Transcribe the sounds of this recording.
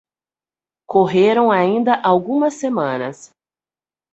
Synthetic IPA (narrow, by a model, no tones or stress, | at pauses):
koɦeɾɐ̃w̃aĩnd̪ɐʔawɡũmɐsːemɐ̃nɐ̰s